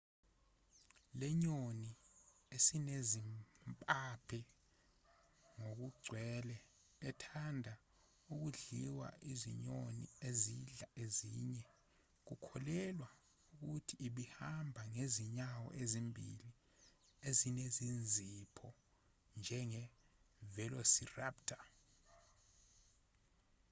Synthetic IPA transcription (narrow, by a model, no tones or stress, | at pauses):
lɛɲoni | esinezimpʼapʰɛ | ŋok̬uɡ͡ǀʱwɛlɛː | tʰandʱa | uk̬uɮiwa̰ʔizḭɲonḭeziɮaeziːɲɛ | k̬ukʰɔlɛlwa | uk̬utʰiːɓihambʱaŋeziɲawɔ̰ʔezimbʱḭli | ezinezind͡zʱipʰɔ | nd͡ʒʱɛŋɛvɛlosiraptʰʼa